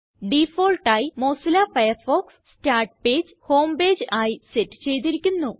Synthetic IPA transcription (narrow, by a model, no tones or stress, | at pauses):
ɖifo̞ːlʈaːjimo̞ːsilaːfɐjɐrfo̞ːksstaːrʈ̚pe̞ːd͡ʑɨho̞ːmbe̞ːd͡ʑɨaːjisetːɨ̥t͡ɕe̞jt̪̬iɾikʲːunːu